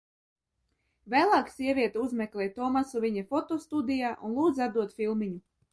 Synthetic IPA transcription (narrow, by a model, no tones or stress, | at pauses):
væːlˠaːksʲiɛvʲiɛt̪uuzmʲɛklʲˠɛːjt̪ɔmasuvʲiɲafɔt̪ɔst̪ud̪ijaːʔunlˠuːd̪zad̪uɔt̪fʲilˠmiɲu